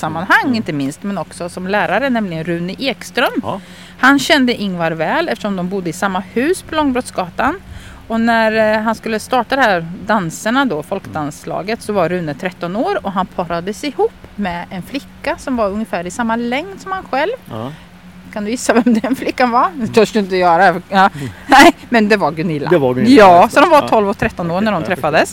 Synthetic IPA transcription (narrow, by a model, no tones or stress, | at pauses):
samːanɦaŋːɪnt̪əmɪnst̪mɛnɔksɔsɔmlæːɾaɾənɛmlɪɡənɾʉ̟ːnɪʔeːkst̪ɾœm | hanɕɛnd̪əʔɪnːvaɾvɛːlɛft̪əʂɔmd̪ɔmbʊd̪ːəɪsamːahʉ̟ːspʰɔlɔŋːbɾɔt̪sɡɑːt̪an | ɔnæɾɦanskɵlːəst̪ɑːʈad̪ɛhæɾd̪ansəɳad̪ofɔlkd̪anslɑ̰ːɡət̪sɔvaɾʉ̟ːnət̪ʰɾɛt̪ːɔnoːɾɔɦanpʰɑɾad̪əsɪhuːpːmɛɛnflɪkːasɔmvaɾɵŋjəfæːɾɪsamːalɛŋd̪sɔmhanɧɛlv | kʰand̪ɵjɪsːavɛmd̪ɛnflɪkːanvaɾj̪ɔkɵnəjœːɾaɛɑnɛɪmɛnd̪ɛvaɾɡɵnɪlːajɑːsɔd̪ɔmvat̪ʰɔlvɔkt̪ʰɾɛt̪ːɔnoːɾɳæɖɔmt̪ʰɾɛtfːad̪əs